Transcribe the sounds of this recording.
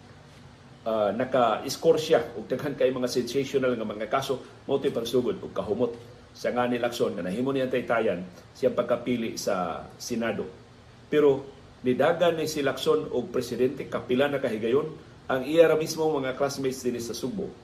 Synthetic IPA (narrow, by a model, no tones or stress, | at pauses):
ʔanɐkaʔɪskoɾsjaʊɡ̚d̪aɡɦankajmaŋasɛnsasʊnalŋamaŋakaso | maʔut̪ɪpaɡsuɡʊd̪ʊɡ̚kaɦʊmot̪̚ | saŋanɪlaksonŋanaɦiːmʊnijaŋt̪aɪt̪aːjansɪaŋpaɡ̚kapiːlɪʔsa̰sɛnaːd̪o | pɛɾo | nɪd̪aːɡanːɪsɪlaksonʊɡ̚pɾɛsɪd̪ɛnt̪ɛkapɪlanakaɦɪɡajon | ʔaŋʔijaɾamismoŋmɐŋakɾasmɛj̪sd̪ɪnɪsɐsʊɡ̚bʊ̰